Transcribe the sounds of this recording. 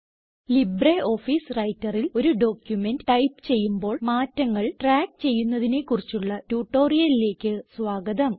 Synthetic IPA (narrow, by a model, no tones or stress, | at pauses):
libreʔo̞ːfiːsrɐjtːɐrilo̞ɾuɖo̞ːkjume̞ndɨʈɐjpɨ̥t͡ɕe̞jːumbo̞ːɭmaːtːɐŋːɐɭʈraːk̚t͡ɕe̞jːunːɐðine̞kːurit͡ɕːuɭːɐtuːʈːo̞ːrijɐlile̞ːkʲːɨsʋaːɡɐðɐm